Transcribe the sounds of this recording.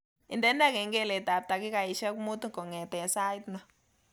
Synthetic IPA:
ɪ˨ndɛ˦nda˦˨ke˨ŋɡe˦˨le˨ta˨p̚ta˨kɪ˦ka˨i˨ʃɛ˦kmu˦t̪u˦ŋkɔ˨ŋɛ˨tɛ˨sa˦jtnɔ˦

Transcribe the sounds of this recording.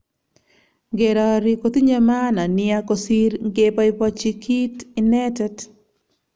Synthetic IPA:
ŋɡe˨ɾɔ˨ɾi˦ko˨t̪i˦ɲe˦ma˦na˨nɪa˦ko˨si˦ɾŋɡe˦pa˦i˦pɔ˦t͡ʃi˦kʰi˦tɪnɛ˦tɛ˦t

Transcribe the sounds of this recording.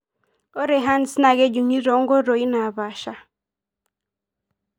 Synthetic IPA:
o˦ɾe˨ɦa˦n̩˨si˦na˨ɡe˦d͡ʒu˨ɲi˦ɾo˨˦ŋ̩˦ɡo˦ɾo˨i˦na˨βa˨ʃa˦

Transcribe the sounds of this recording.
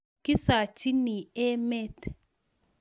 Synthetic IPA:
kɪ˦saː˨t͡ʃːɪ˦nːiː˨eː˦mːeː˦t̪

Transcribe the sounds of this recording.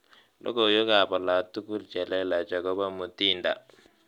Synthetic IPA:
lʔo̰˦ko˨jo˦ka˨pa˨la˨tu˦ku˦lt͡ʃɛ˨lɛ˦la˨t͡ʃa˨kɔ˦ba˦mu˨ti˦nda˨

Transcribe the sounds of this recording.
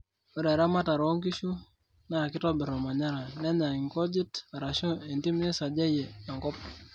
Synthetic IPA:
o˦ɾɛ˨ɾa˦ma˦ta˨ɾɔ˦ŋki˦ʃu˦ | na˦˨kɪ˦tɔ˦bɪ˨ɾɔ˨ma˨ɲa˦ɾa˨nɛ˦ɲa˨ŋɪ˨ŋkɔ˦d͡ʒɪ˦ta˨ɾa˨ʃo˦e˨nti˦m˦nɪ˦sa˨d͡ʒa˦jɛ˨a˨ŋkɔ˦p̚

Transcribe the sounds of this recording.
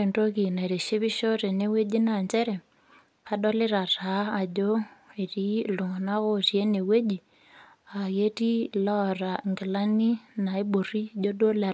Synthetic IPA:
e˨ndo˦ɣi˨na˨ɾe˨ʃe˦βi˦ʃo˦ɾe˨ne˦we˦d͡ʒi˦na˨ɲd͡ʒɛ˦ɾɛ˨ | ha˦ɗo˦le˦ɾa˨ra˨˦a˨ɟo˦e˨ri˦lu˨ŋɔ˨na˦ɣo˦rje˦ne˨we˦d͡ʒi˨ | a˨ɣe˦ɾi˦lɔ˦ra˨ŋɡi˨la˦ni˦na˨i˦bo˨ri˦d͡ʒo˦do˦la˨

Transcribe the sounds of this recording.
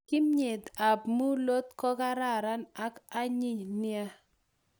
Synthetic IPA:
kɪ˦mɲe˨d̪a˨bmu˦lo˦t̪kɔ˦ka˦ɾa˦˨ɾa˦na˦ka˦ɲɪ˦nɪ˦a˦

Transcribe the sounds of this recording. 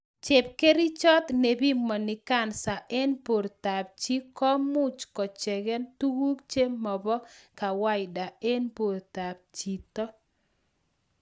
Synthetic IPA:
t͡ʃe˨p̚ke˦ɾi˦t͡ʃɔ˦t̪ne˨bi˦mɔ˨nɪ˨ka˦˨nsa˨ʔɛ˦npo˨ɾta˨p̚t͡ʃi˦kɔ˦mʊ˦t͡ʃkɔ˨t͡ʃɛ˨ɡɛ˦ntu˦wu˦kt͡ʃe˦mɔ˨bɔ˦ka˨wa˦jɪ˨da˨e˦npo˨ɾta˨p̚t͡ʃi˨t̪ɔ˦

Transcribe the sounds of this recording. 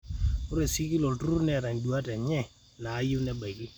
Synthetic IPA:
ʊ˦ɾe˨si˦ki˦lo˨ltu˦nɛ˦˨ɾa˨ŋdu˨a˦tɛ˨ɲɛ˦ | naː˨˦jʊ˦nɛ˦ba˨kɪ˦

